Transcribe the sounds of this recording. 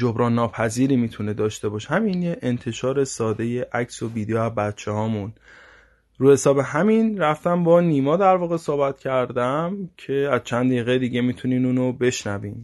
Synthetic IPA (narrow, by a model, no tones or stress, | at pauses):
d͡ʒobɾɒːnːɒːpʰæziːɾiːmiːt̪ʰune̞d̪ɒːʃt̪e̞bɒːʃhæminjeʔent̪ʰe̞ʃɒːɾe̞sɒːd̪e̞je̞ʔæcso̞viːd̪ejoæzbæt̪t͡ʃʰehɒːmun | ɾuːhe̞sɒːbe̞ɦæminɾæft̪æmbɒniːmɒːd̪æɾvɒːɣe̞sohbæt̪cʰæɾd̪æmcʰe̞æz̥t͡ʃʰænd̪iɣejd̪iːɟe̞miːt̪ʰuniːnuːnobe̞ʃnæviːm